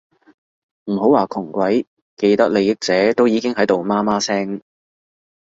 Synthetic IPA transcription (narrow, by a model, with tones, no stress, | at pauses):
m̩˨˩ɦo˨˥waː˨˩kʰʊ˨˩ŋkʷɐ˨˥j | ke˧jt̪ɐ˥k̚le˨˧jɪ˥k̚t͡sɛː˨˥t̪o˥wjiː˨˧kɪ˥ŋɦɐ˨˥jt̪o˨wmaː˥maː˥sɛː˥ŋ